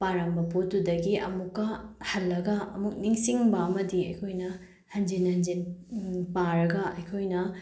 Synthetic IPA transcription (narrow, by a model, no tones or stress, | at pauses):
paɾambɐputudɐɡiʔɐ̰mukːɐhɐlːɐɡɐɐmuk̚niŋsiŋbɐɐmɐdiɐjkʰojnɐ | hɐnd͡ʒinhɐnd͡ʒinpaɾɐɡɐʔɐjkʰojnɐ